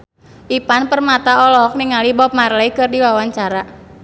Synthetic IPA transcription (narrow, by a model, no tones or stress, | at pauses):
ʔipanpərmat̪aɔlɔɦɔk̚niŋalibɔp̚marlaikɨrdiwawaɲt͡ʃaɾa